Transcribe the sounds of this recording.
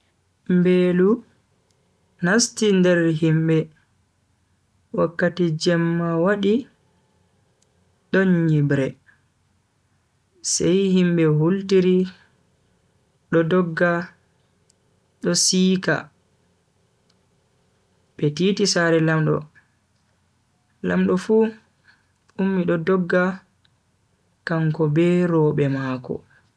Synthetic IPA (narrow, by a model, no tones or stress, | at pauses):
mbeːlu | nastindɛɾɦimɓɛ | wakːatid͡ʒɛmːawaɗi | ɗɔɲːibɾɛ | sɛjhimɓɛhultiɾi | ɗɔdɔɡːa | ɗɔsiːka̰ | ɓɛtiːtisaɾɛlamɗɔ̰ | lamɗɔfuː | umːiɗɔdɔɡːa | kaŋkɔbɛɾɔːɓɛmakɔ̰